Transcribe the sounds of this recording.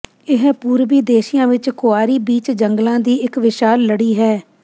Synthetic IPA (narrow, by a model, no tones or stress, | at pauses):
ɪɦpuːɾʋiːd̪eːʃɪjãːʋɪt͡ʃkʊaːɾiːbiːt͡ʃd͡ʒəŋɡlãːd̪iːɪkʋɪʃaːlːəɽiːɦɛː